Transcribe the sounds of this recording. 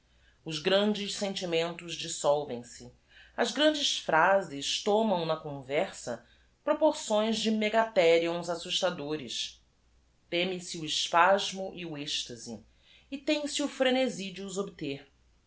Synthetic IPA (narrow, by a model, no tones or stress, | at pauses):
ʊzɡɾɐ̃nd͡ʒɪʃsẽnt͡ʃimẽnt̪ʊzd͡ʒisɔwvẽj̃sɪ | ɐzɡɾɐ̃nd͡ʒɪsfɾazɪʃt̪õmɐ̃w̃nɐkõvɛɾsɐ̰ | pɾopoɾsõj̃zd͡ʒɪmeɡat̪ɛɾiõzasuʃt̪ad̪oɾɪʃ | t̪ẽmisɪuɪʃpaʒmʊʔiueʃt̪ɐzḭ | ɪt̪ẽj̃sɪufɾenezid͡ʒiuzobit̪eɾ